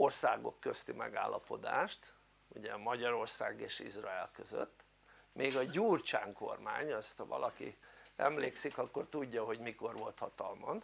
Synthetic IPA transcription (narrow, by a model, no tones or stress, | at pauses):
orsaːɡo̞̰kːøst̪imɛɡaːlːɒpo̞d̪aːʃt̪ | uɟɛmɒɟɒɾo̞rsaːɡeːʃizrɒɛlkøzø̰t̪ː | mʔeːɡɒɟuːrt͡ʃaːŋko̰rmaːɲɒst̪hɒvɒ̰lʔɒkḭɛmleːksikɒkːo̞rt̪uɟːɒɦo̞ɟmiko̞rʋo̞lt̪hɒt̪ɒlmɒn